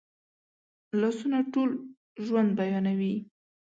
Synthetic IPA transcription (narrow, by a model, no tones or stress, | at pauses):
lasunaʈol | ʒwand̪̚bajɑnawi